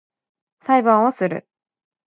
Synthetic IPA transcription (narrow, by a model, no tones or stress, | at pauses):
saibãɰ̃osɨɾɯ̟̰